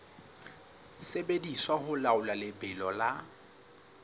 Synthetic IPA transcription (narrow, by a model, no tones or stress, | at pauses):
sebediswahʊlaʊlalɪbɪlɔla